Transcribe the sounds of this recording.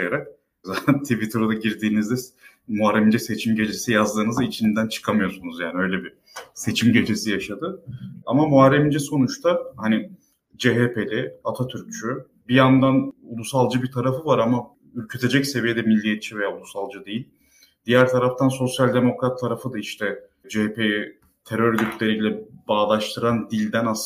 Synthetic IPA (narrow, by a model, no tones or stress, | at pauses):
jeɾak̚ | zat̪ʰænt̪ʰivit̪ʰɾod̪aɟiɾd̪iːnizd̪ɛ | muaɾemind͡ʒɛse̞t͡ʃʰimɟe̞d͡ʒe̞sijazd̪ɯːnɯzait͡ʃʰind̪ænt͡ʃʰɯ̥kʰamɯjo̞ɾsunuzja̰ːniø̞jlʲebi | se̞t͡ʃʰimɟe̞d͡ʒe̞sijaʃad̪ɯamamuaɾemind͡ʒɛso̞nut͡ʃt̪ʰahanɪ | d͡ʒe̞ɦeːpe̞lʲɛat̪ʰat̪ʰyɾc̚t͡ʃʰy | bijand̪anulˠusalˠd͡ʒɯbit̪ʰaɾafɯvaɾama | yɾcʰyt̪ʰe̞d͡ʒɛcse̞vijed̪ɛmilʲːijet̪̚t͡ʃʰive̞jaːulˠusalˠd͡ʒɯd̪ejilʲ | d̪̥ijæɾt̪ʰaɾaft̪ʰanso̞sjalʲd̪e̞mo̞kɾat̪ʰːaɾafɯd̪aiʃt̪ʰɛ | d͡ʒeepʰejɛ | t̪ʰe̞ɾøɾɟyt̪lʲe̞ɾijlʲɛbaːlˠaʃt̪ʰɯɾand̪ilʲd̪æna